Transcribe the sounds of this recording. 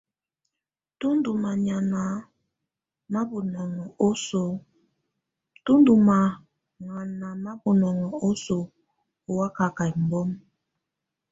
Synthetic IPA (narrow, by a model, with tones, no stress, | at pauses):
tu˦ndu˨ma˨ɲa˨na˨ | ma˦bu˨nɔ˨ŋɔ˨o˦so˨ | tu˦ndu˨ma˨ | ŋa˨na˨ma˦bu˨nɔ˨ŋɔ˨o˦so˨ | o˨wa˦ka˨ka˨i˨m̩˨bɔ˦m